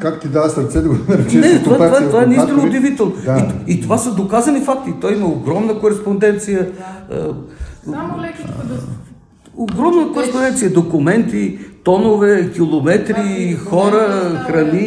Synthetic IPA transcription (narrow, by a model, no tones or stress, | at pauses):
kakt̪id̪avəsɐɾt̪sɛd̪ɐɡonɐɾɛt͡ʃinɛt̪ovavatt̪ovaɛnist̪iɛnoʊd̪ɛvit̪ɛlˠnoaiit̪ovasəd̪okazənifak̚t̪it̪ɔjiməoɡɾɔmnəkoɾɛspond̪ɛnt̪sijəə̰ | oɡɾɔmnəkoɾɛspondɛnt̪ijəd̪okʊmɛnt̪it̪ɔnovɛkʲilˠomɛt̪ɾixɔɾəxɾɐni